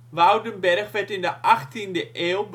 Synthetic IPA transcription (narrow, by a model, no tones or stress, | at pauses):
ʋawdənbɛrχʋɛtɪndəʔɑχtindəʔeːlˠb